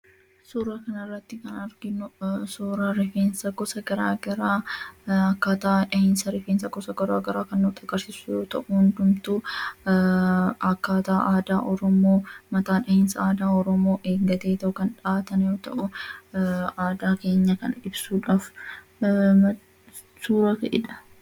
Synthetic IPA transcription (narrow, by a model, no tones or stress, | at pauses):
suːɾaːkɐnɐrːɐt̪ːɪkɐnɐɾɡɪnʊsuːɾaːɾɪfeːnsɐɡɔsɐɡɐɾa̰ːɡɐɾaːɐkːaːt̪aːᶑɐheːnsɐɾɪfeːnsɐɡɔsɐɡɔɾa̰ːɡɐɾaːkɐnːut̪ʼɐɡɐɾsɪsujoːt̪ɐʔʊhʊnd̪ʊmt̪u | ɐkːaːt̪aːʔaːd̪aːʔɔɾɔmoːmɐt̪aːᶑɐhensɐaːd̪aːɔɾɔmo̞ːʔeːŋɡɐt̪eːt̪ɐʔʊkɐnᶑaːt̪ɐnjoːt̪ɐ̰ʔʊ | aːd̪aːke̞ːɲːɐkɐ̰nɪbsuːᶑaːf | mɐ | suːɾɐkɐ̰ʔɪ̰ᶑɐ̥